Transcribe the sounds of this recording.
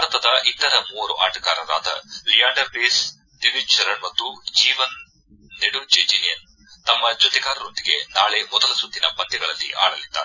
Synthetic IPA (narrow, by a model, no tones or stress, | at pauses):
bʱaɾɐt̪ɐd̪ɐʔit̪ɐɾɐmuːɐɾṵʔaːʈɐɡaːɾɐɾa̰ːd̪ɐ̰lijaːɳɖɐɾbiːs | d̪iʋit͡ʃɐɾɐɳmɐt̪ːud͡ʒiːʋɐnː | eɽud͡ʒeːd͡ʒilijɐn | t̪ɐmːɐd͡ʒot̪iɡaːɾɐɾond̪iɡe̞̰naːɭe̞mɔd̪ɐlɐsud̪ːinɐpɐnd̪iɡɐɭɐlːḭʔa̰ːɽɐlid̪ːaːɾe